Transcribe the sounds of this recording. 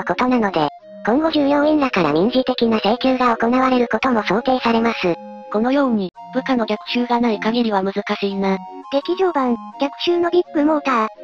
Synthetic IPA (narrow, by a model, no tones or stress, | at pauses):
ko̞t̪o̞nano̞d̪e̞ | kõ̞ŋɡo̞ʑɨːjõ̞ẽnɾakaɾa̰mʲĩɲ̟ʑit̪e̞kʲinaseikʲɨːɡao̞ko̞naβ̞aɾe̞ɾɯ̟ko̞t̪o̞mo̞so̞ːt̪e̞ːsaɾe̞masɨ | ko̞no̞jo̞ːɲ̟i | b̥ɯ̟kano̞ɡʲakɯ̟̥ɕɨːɡanaikaɡeɾʲiβamɯ̟zɨkaɕiːna | ɡ̥̪e̞kʲiʑo̞ːbãŋɡʲakɯ̟̥ɕɨːno̞bʲikːɯ̟mo̞ːt̪a